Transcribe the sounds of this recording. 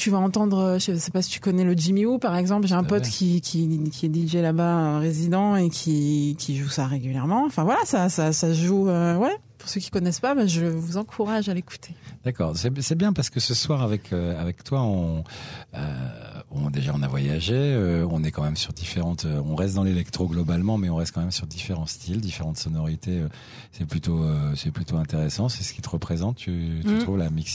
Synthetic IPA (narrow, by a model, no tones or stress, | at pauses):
t̪yvaɑ̃t̪ɑ̃d̪ʁøʒəesɛpasi̥t̪y̥kɔnɛləd͡ʒimiupaʁɛɡzɑ̃p̬lʒeɛ̃pɔt̪kʲʰikʲʰikʲiɛd̪iʒɛlabaøʁezid̪ɑ̃ekʲʰikʲʰiʒusaʁeɡʲyljɛʁmɑ̃ɑ̃fɛ̃vwalasasasaʒuøwɛ | puʁsøkʲi̥kɔnɛspabaʒəvuzɑ̃kʰuʁaʒaleku̥t̪ʰe̥d̪̥akɔ̰ːʁsɛsɛbjɛ̃paʁsə̥kəsəswaʁavɛkʰøavɛkt̪waɔ̃ | ø̰ɔ̃d̪eʒaɔ̃navwajaʒeøɔ̃nɛkɑ̃mɛmsyʁd̪ifeʁɑ̃t̪øɔ̃ʁɛst̪̚d̪ɑ̃lelɛkt̪χoɡlɔbalmɑ̃mɛɔ̃ʁɛst̪̚kɑ̃mɛmsyʁd̪ifeʁɑ̃st̪ʰild̪ifeʁɑ̃t̪sɔnɔʁit̪eø | sɛplyt̪oøsɛplyt̪oɛ̃t̪eʁesɑ̃sɛsə̥kʲi̥t̪əʁəpχezɑ̃t̪ːyt̪yt̪χuvlamiks